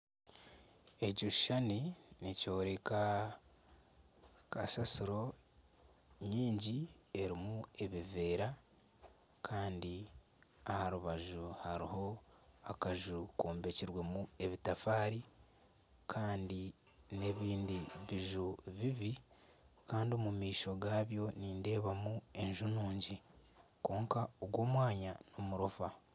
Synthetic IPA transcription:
e̞ɟuʃʃaninico̞ːɾeka | kasasiɾo̞ | ɲiːɲɟie̞ɾimue̞βive̞ːɾa | kʰaːndi | ahaɾuβaʒuhaɾiho̞ | akaʒukoːmbe̞ciɾwe̞mue̞βitafaːɾi | kʰaːndi | ne̞βiːndiβiʒuβiβi | kaːndiomumiːʃo̞ɡaːβjo̞niːnde̞ːβamue̞ɲʒunuːɲɟi | ko̞ːŋkaoɡwo̞ːmwaːɲano̞muɾofa

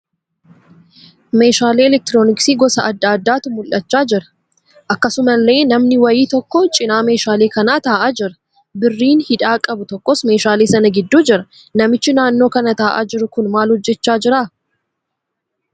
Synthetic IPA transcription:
me̞ːʃaːleːɛlɛk̚t̪ɪɾo̞ːnɪksiːɡɔsɐɐd̪ːaːd̪ːaːt̪ʊmʊlʔɐt͡ʃːaːd͡ʒɪɾɐ̥ | ʔɐkːɐsʊmɐlːe̞ːnɐmnɪwɐjiːt̪ɔkːɔt͡ʃʼɪnaːme̞ːʃaːleːkɐnaːt̪aːʔaːd͡ʒɪɾɐ̥ | bɪrːiːnhɪᶑaːkʼɐbʊt̪ɔkːoːsme̞ːʃaːleːsɐnɐɡɪd̪ːuːd͡ʒɪɾɐ | nɐmɪt͡ʃːɪnaːnːo̞ːkɐnɐt̪aːʔa̰ːd͡ʒɪɾʊkʊnmaːlhɔd͡ʒːɛt͡ʃːaːd͡ʒɪɾaː

